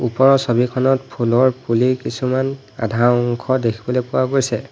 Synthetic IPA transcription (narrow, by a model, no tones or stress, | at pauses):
upɔɹɔsobikʰɔnɔtpʰulɔɹpulikisuman | a̰dʱaɔŋkʰɔdekʰi̥bɔlepʊwaɡojsɛ